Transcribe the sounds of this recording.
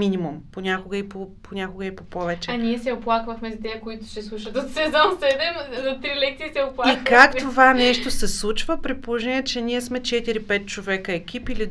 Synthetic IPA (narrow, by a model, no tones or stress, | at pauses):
inimumponʲakoɡəipopʰonʲakoɡəipopɔvɛt͡ʃɛaniɛsɛoplˠakvɐxmɛzid̪ɛəkoit̪ʊ̥ʃt̪ɛslˠuʃət̪ot̪sɛzɔnsɛd̪ɛmzɐt̪ɾilɛkt̪iːsɛoplˠaikkakt̪ovanɛʃt̪osɛslˠut͡ʃvəpɾitpolˠoʒɛniɛt͡ʃɛniɛsmɛt͡ʃɛt̪iɾipɛt̪̚t͡ʃovɛkəɛk̟ʲipili